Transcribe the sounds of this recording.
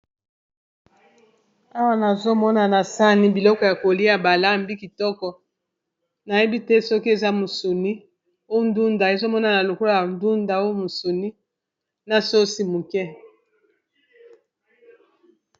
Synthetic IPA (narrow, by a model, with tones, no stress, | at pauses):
a˦wa˦na˨zo˦mɔ˦na˨na˨sa˦ni˦bi˨lɔ˦kɔ˦ja˨ko˨li˦a˨ba˨la˦˨mbi˦ki˨tɔ˦kɔ˨ | na˨je˦bi˦tɛ˦sɔ˦ki˦e˨za˦mo˨so˨ni˦ | o˦˨n˦du˦nda˨e˨zo˦mɔ˦na˨na˨lo˨kɔ˦lo˦˨a˨ndu˦nda˨o˦o˦mo˨so˨ni˦ | na˨so˦si˦mu˨kɛ˦